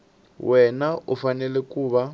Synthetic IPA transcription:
wʔɛnaufanɛlɛkuːβa

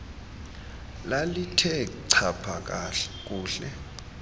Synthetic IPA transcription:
lalitʰɛǀʰapʰak̬ʼak̬ʼuːɬɛ

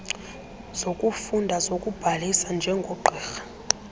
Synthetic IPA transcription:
z̥okʼufundʱazokʼub̥ʱalisand͡ʒʱɛŋɡʱɔɡ͡ǃʱɛːxḁ

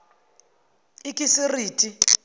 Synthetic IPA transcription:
ikʼisɪriːtʼi

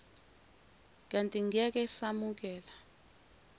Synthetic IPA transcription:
k̬ʼantʼiŋiak̬ɛsamuk̬ɛːla

